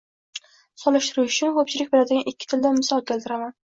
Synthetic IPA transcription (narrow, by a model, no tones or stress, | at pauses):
sɒlˠɪʃt̪ɪɾuʃʊt͡ʃʰʊnkʰɵp̚t͡ʃʰɪlɪk̚ʲbelad̪ɪɡʲanɪkʲʰːɪ̥t̪ʰɪld̪anmɪsɒɒt̪̚kʲʰelt̪ʰɪɾaman